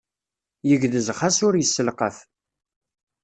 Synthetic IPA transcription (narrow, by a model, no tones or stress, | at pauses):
jəʝðəzχasʊɾjəsːəlqəθ